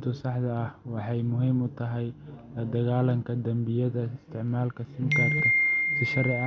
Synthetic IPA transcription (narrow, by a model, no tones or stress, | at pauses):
t̪ʰʊsɑħd̪ɐːhwɑħɑjmʊɦiːmʊt̪ʰɐɦɛjlɐd̪ɐɣaːlɐŋkʰɐd̪ɐmbɪjɐðɐɪst̪ʰɪʕmaːlkʰɐsɪŋkʰɐrk̪ʰɐsɪʃɐɾɛ